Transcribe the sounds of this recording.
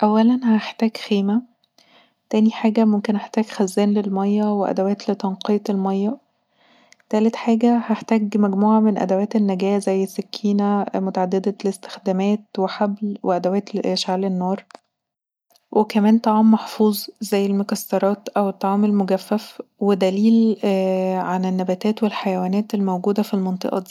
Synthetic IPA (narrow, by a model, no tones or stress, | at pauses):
ʔæwːælænhæeħt̪æːɡxiːmæ | t̪æːniħaːɡæmomkenʔeħt̪æːɡxæzːæːnlelmɑjːɑweʔæ̰d̪æwæːt̪let̪ɑnqejt̪elmɑjːɑ | t̪æːlet̪ħaːɡæhæħt̪æːɡmæɡmuːʕamenʔæ̰d̪æwæːt̪enːæɡæːzæjːesːækʰːiːnæmot̪aʕad̪ːed̪ælest̪e̥xd̪æmæːt̪weħablweʔæd̪æwæːt̪ʃaʕlenːɑːɾˤ | wʔekæmæːnt̪ˤɑʕɑːmːɑħfuːzˤzæjːelmokɑsːɑɾˤɑːt̪ʔæwet̪ˤːɑʕɑːmelmoɡæfːæfwed̪æliːl | ʕanenːæbæːt̪æːt̪welħajæwæːnæːt̪elmowɡuːd̪æfilmɑnt̪ˤɨ̰ʔɑ̰d̪i